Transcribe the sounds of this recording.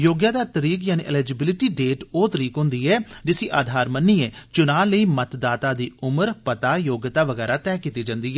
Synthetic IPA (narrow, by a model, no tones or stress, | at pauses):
joːɡjaːd̪aːt̪əɾiːkjaːnḭːʔɪlɛːd͡ʒɪbɪlɪʈiːɖeːʈoːt̪əɾiːkɦʊ̃ːnd̪iːɛːd͡ʒɪsiːʔaːd̪ʱaːɾmənːiːɛːt͡ʃʊnaːləiːmət̪d̪aːt̪aːd̪iːʊməɾpət̪aːjoːɡjət̪aːʋəɡɛːɾaːt̪ɛːkiːt̪iːd͡ʒãːnd̪iːɛ